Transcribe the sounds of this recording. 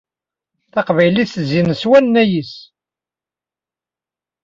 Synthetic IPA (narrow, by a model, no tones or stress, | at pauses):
θɑqvæjliθəzinəswænnːæjis